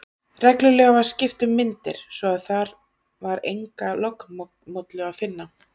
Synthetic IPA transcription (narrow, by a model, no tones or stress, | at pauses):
rɛklʏlɛːɣavaɾ̥scɪft̪ʏmːɪnt̪ɪ̰ɾ̥svɔaðθaɾ | vaɾḛjŋkalɔk | mot̪lɛɣaðfɪnːa